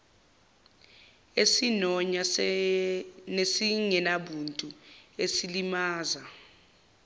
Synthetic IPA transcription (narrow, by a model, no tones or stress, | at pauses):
esinɔɲa | nesiŋɛnaɓuntʼuesilimaːza